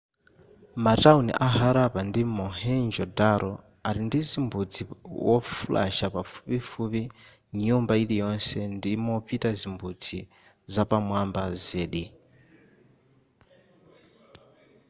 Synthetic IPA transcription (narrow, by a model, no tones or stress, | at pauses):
mataunḭʔaɦaɾapandimɔhɛnd͡ʒɔdaɾʔɔ | aɾindizimbud͡ziwɔfulʔa̰ʃapafu̥pifupi | ɲumbailijɔnsɛndimɔpitazimbud͡zi | zapamwambazɛːɗi